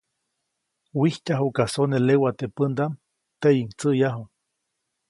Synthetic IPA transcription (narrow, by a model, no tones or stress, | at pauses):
wihcaɦukasonelewat̪epənd̪am | t̪ejiŋt͡səjaɦuŋ